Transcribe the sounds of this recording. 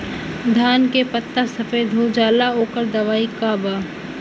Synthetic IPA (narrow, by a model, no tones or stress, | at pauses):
d̪ʱaːnkepət̪ːasɐfeːd̪ʱɦoːd͡ʒaːlaoːkəɾd̪ɐʋaːikaːbaː